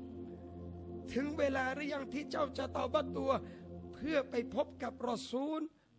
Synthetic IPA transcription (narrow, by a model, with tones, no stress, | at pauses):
t̪ʰɯ˨˦ŋweː˧laː˧ɾɯ˦˥˩ja˧ŋt̪ʰiː˥˩t͡ɕa˥˩wt͡ɕa˨˧t̪ɔː˧˩ba˧˩t̪ːu˧ɐpʰɯ˥˩ɐpa˧jpʰo˦˥p̚ka˨˩p̚ɾɔː˧˩suː˦˥n